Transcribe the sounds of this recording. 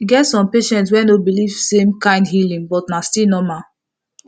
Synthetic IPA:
iɡɛtsɔ̃mpeʃɛ̃nts̬wɛ̃nobilivsẽmkãɪ̃ndhilĩŋbɔtnastinɔma

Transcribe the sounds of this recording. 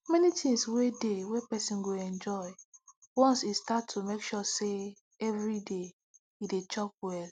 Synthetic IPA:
mɛnitʰĩŋswedewepɛsĩnɡoɛ̃nd͡ʒɔɪ | wɔ̃nsistatʰːumekʃuse | ɛvɹide | idet͡ʃɔp̚wɛl

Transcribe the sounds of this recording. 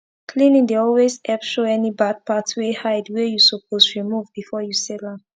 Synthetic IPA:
kʰlĩnĩŋdeɔlwezɛpʃoɛnibad̚patwehaɪdwɛjusɔpʰoztɹimuvbifɔjusɛlã

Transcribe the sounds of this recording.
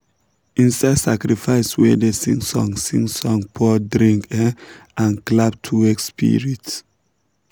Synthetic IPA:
ĩnsadsakɾifaɪswɛdesĩŋsɔ̰̃ŋsĩŋsɔ̃ŋpʰɔdɾĩŋkɛãnklap̚tʰuwɛkspʰḭɹits

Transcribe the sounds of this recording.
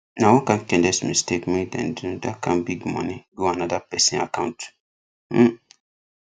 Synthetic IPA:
nãwʊ̃kãŋkɛ̃ndɛsmĩstekmĩdɛ̰̃nduñdakãnbiɡmɔ̰̃nĩɡuanãdapɛsĩa̰kãʊ̃nt̩

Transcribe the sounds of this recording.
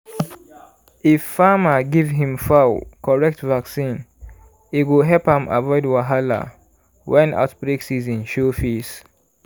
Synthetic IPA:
ifːaməɡivɦĩmfawkʰɔɹɛk̚tvaksĩn | iwiɦɛlphãma̰vɔɪdwaɦala̰ | wɛ̃na̰ʊtbɹeksizĩnʃofis

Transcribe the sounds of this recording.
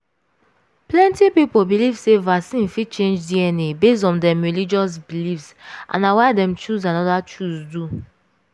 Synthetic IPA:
plɛ̃ntipipobilivsevaksĩnfit͡ʃẽnd͡ʒdiɛnebes̬ɔ̃ndɛ̃mɹilid͡ʒɔs̬bilifsʔã̰nawaɪdɛ̃mt͡ʃuzãnɔdat͡ʃuzdu

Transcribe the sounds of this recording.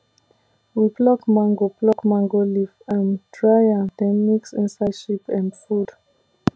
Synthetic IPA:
wiblɔkmãŋɡoblɔkmãŋɡolifãndɹajadɛniksĩnsajʃipɛ̃ndfud

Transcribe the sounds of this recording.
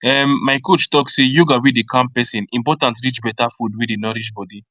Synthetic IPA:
ɛmːaɪkot͡ʃtɔksejuɡawidikʰãmpɛsĩnĩmpɔtãntɹit͡ʃbɛtafudwidinɔɾiʃbɔdi

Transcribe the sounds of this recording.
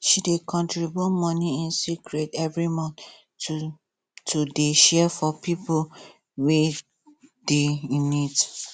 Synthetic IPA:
ʃidekʰɔ̃ntɹibjumɔ̃niĩnsikɹetɛvɹimɔ̃n | tʰudeʃɛfɔpipo | we | deĩnit

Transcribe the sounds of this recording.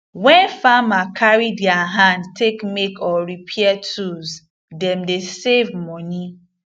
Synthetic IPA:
wɛ̃nfamakʰaɹidjaɦãndtʰekmekɔɹipʰɛatʰuz | dɛ̃mdesevmɔni

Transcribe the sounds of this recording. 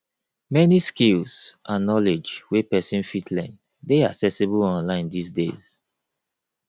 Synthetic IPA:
mɛniskilsʔãnːɔled͡ʒwepɛsĩnfitʰlɛ̃n | deaksɛsibəlɔ̃nlãɪ̃ndisdḛz̥

